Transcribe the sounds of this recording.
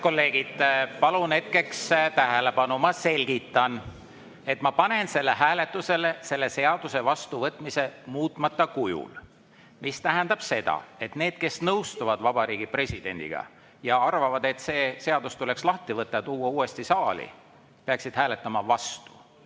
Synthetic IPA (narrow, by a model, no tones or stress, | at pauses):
ko̞lːe̞ːɡ̥id̪̥pɑlune̞t̪̚ke̞kst̪æɦelepɑnumɑse̞lʲɡ̥it̪ːˑɑn | e̞t̪mɑpɑne̞nse̞lːeɦæːle̞t̪ˑːuse̞lese̞lːe̞se̞ɑd̪̥use̞vɑst̪uvɤt̪ːˑmise̞muːt̪ˑmɑt̪ːˑɑkujṵl | mist̪æɦænd̪ɑb̥se̞d̪̥ɑ̰e̞t̪ne̞ːd̪̥ke̞snɤwst̪uvɑd̪vɑb̥ɑɾiːɡ̥ipre̞sʲid̪̥e̞̰nʲd̪̥ḭɡ̥ɑ̰ | jɑɑrvɑvɑd̪e̞t̪se̞ːse̞ɑd̪̥ust̪ule̞kslɑht̪ivɤt̪ˑːɑt̪uːwːɑuːe̞st̪isɑːlḭ | peɑksid̪̥hæːle̞t̪ːˑɑmɑvɑst̪u̥